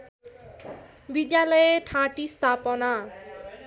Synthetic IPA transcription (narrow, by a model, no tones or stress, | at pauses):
bid̪jalʌjeʈʰãʈist̪ʰapʌna